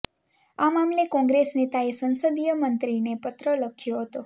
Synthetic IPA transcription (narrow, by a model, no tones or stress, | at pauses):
amamlekɔ̃ŋɡɾesnet̪aesənsəd̪ijəmənt̪ɾinepət̪ɾələkʰjoɦət̪o